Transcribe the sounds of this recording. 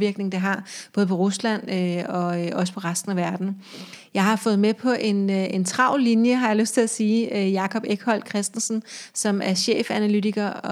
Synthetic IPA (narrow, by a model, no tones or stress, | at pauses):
ʋiɐɡ̥ne̝ŋ̩d̥eɦɑ̈b̥ɔ̽ːð̞̩ˠpʰɒ̽ʁuslæn̰øɒ̽ʔɒ̽sə̥pʰɒ̽ʁasd̥n̩æʋæɐd̥n̩ | jɑ̈ɪɦɑ̈fɔ̽ːð̞̩ˠmepʰɒ̽ʔe̝ne̝nt͡sʰʁɑ̈ʊ̰linjəɦɑ̈jɑ̈løsd̥t͡sʰe̝læsiːjɑ̈kʰɒ̽b̥eɡ̥hɒ̽l̰kʰʁɛsd̥n̩sn̩sɒ̽mæɐɕḛːfænælyt͡sʰiɡ̥ɐ